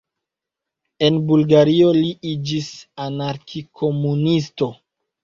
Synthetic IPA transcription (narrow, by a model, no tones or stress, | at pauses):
e̞nbulɡaɾio̞liʔid͡ʒisanaɾkʰikʰo̞munisto̞